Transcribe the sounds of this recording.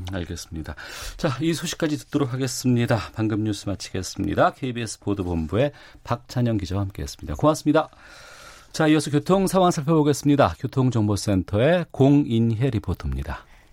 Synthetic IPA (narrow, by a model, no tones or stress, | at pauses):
aɭɡe̞s͈ɯmɲidat͡ɕaisʰoɕʰi̥k͈ad͡ʑitɯ̥t̚t͈oɾokʰaɡe̞s͈ɯmɲidapaŋɡɯmɲus͈ɯmat͡ɕʰi̥ɡe̞s͈ɯmɲḭdakʰeibies͈ʰɯ̥podobombue̞ | pak̚t͡ɕʰaɲʌŋkid͡ʑawahamk͈e̞ɦes͈ɯ̥mɲida̰koŋas͈ɯmɲida | t͡ɕaiʌsʰʌkjotʰoŋsʰawaŋsʰaɭpʰjoboɡe̞s͈ɯmɲidakjotʰoŋd͡ʑʌŋbos͈e̞ntʰʌe̞koŋinɦe̞ɾipʰotʰomɲida